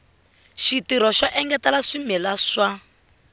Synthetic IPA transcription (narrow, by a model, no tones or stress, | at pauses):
ʃitiɾɔʃaʔɛŋɡɛtalaʂimɛlaʂa